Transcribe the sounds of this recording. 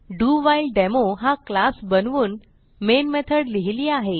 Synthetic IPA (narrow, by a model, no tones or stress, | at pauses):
ɖuʋajilɖɛmoɦaklasbənʋuːn | menmet̪ʰəɽliɦiliːaɦe